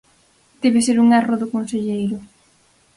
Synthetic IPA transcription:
d̪̥eβɪseɾuŋɛroðʊkonseʎejɾʊ

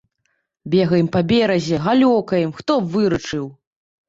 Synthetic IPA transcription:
bʲɛɣɐjɛmpabʲɛɾɐzʲɛɣalʲɔkɐjɛmxt̪ɔvɨɾɐt͡ʂɨw

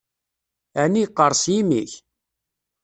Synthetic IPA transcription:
ænːijqːəɾˤsjimiç

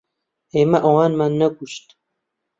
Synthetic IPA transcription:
eːmɐʔɐwɑːnmanːɐɡuʃt̪

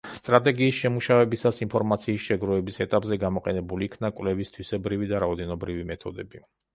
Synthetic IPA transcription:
st̪ʼɾat̪ʼɛɡiːsʃɛmuʃavɛbisasinpʰɔɾmat̪sʰiːsʃɛɡɾɔɛbisɛt̪ʼapʼzɛɡamɔqʼɛnɛbuliːkʰnakʼwvlɛvist̪ʰwisɛbɾivid̪aɾaɔd̪ɛnɔbɾivimɛt̪ʰɔd̪ɛbi

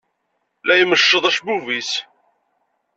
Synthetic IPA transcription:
læjməʃːəðˤæʃbuvis

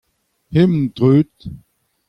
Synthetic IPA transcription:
hɪmn̩dʁøːt̪

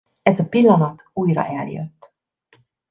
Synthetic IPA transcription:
ɛzɒpilːɒnɒt̪uːjrɒ̰ʔɛljø̰t̪ː

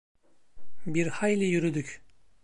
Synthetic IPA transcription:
biɾhajlʲijyɾyd̪yc

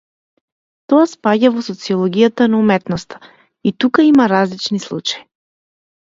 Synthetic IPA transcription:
t̪ɔaspaɟavɔsɔt̪siɔlˠɔɡijat̪anaumɛt̪nɔst̪ḁ | it̪ukaimaɾazlit͡ʃnislˠṵt͡ʃaji

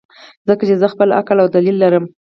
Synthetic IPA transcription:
zəkat͡ʃezəxpəla̰kəlawd̪alilːaɾəm

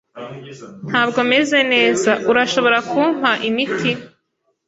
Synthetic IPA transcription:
n̥haːbɡo̞me̞ze̞ne̞ːzaʔuɾaʃo̞βo̞ɾakuːm̥haʔimitʰi

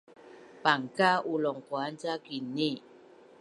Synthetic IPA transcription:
paŋkaʔulɔŋkwan̩t͡ʃakine

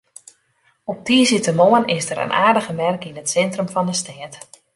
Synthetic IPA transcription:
ɔp̚tiːsitəmoənɪsdəɾə̰nʔa̰ːrdəɣəmɛrkinətsɛntrəmfɔndəstɛːt

